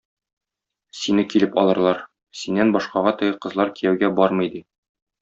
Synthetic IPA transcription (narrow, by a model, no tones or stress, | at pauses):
sinɘkilɘpɒlˠɤ̆ɾlˠɑɾ | sinːænbɒʃqɑʁɑt̪ɤ̆ɡɘqɤ̆zlˠɑɾkijæwɡæbɒɾmɤ̆jd̪i